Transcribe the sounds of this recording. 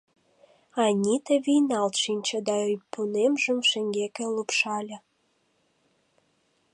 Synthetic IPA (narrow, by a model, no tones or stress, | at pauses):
ɑnʲit̪ĕβijnɑlt̪ʃinʲt͡ɕə̆d̪ɑyjpunemʒəmʃeŋɡekĕlupʃɑlʲə̆